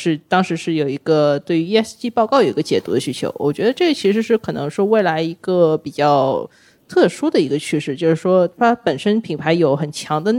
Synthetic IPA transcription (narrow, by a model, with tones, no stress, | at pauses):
ʂɻ̩˥˩t̪ɑ˥ŋʂɻ̩˧˥ʂɻ̩˥˩jo˨˩ʊi˧˥ɡə˧t̪we˥˩ɪy˧˥ɛ˥˧st͡ɕi˥˧pɑ˥˧ʊkɑ˥˩ʊjo˨˩ʊi˧˥ə˧t͡ɕjɛ˨˩t̪ṵ˧˥d̪ə˧ɕy˧˥t͡ɕʰjo̰˧˥ʊwɔ̰˨˩t͡ɕɥɛ˧˥d̪ə˧ʈ͡ʂɤ˥˩ɡə˩t͡ɕʰi˧˥ʂɻ̩˧˥ʂɻ̩˥˩kʰɤ˨˩nɤ̰˧˥ŋʂɻ̩˥˧we˥˩ɪla˧˥ɪi˧˥ɡə˧pi˨˩t͡ɕjɑ˥˩ʊ | t̪ʰɤ˥˩ʂu˥d̪ə˨i˧˥ɡə˧t͡ɕʰy˥˧ʂɻ̩˥˩t͡ɕjo˥˧ʊʂɻ̩˥˩ʂwɔ˥t̪ʰa˥pə˨˩nʂə˥npʰi˨˩ŋpʰa˧˥ɪjo˨˧˥ʊxə˨˩nt͡ɕʰjɑ˧˥ŋd̪ə˧